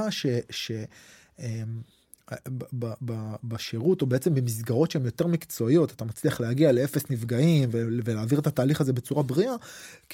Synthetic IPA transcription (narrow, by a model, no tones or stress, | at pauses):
aʃe̞ʃe̞ | em | bababaʃeʁuto̞be̞et͡se̞mbemis̬ɡaʁo̞tʃeemjo̞te̞ʁmikt͡so̞ijo̞tat̪amat͡sliaχlehaɡialeefesnivɡaimveveleːviʁet̪ataːliχaze̞be̞t͡suʁabʁiʔak